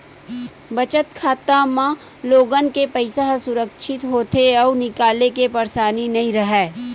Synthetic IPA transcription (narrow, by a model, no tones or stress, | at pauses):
bɐt͡ʃət̪kʰaːt̪amã | loːɡənkepɐɪsaɦsʊɾəkʃɪt̪ɦoːt̪eɔːnɪkaːlekepɐɾsaːninɐɦĩɾɐɦɛː